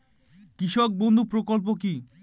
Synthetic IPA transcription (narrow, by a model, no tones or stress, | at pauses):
kɾiʃok̚bond̪ʱupɾokolp̬ok̬i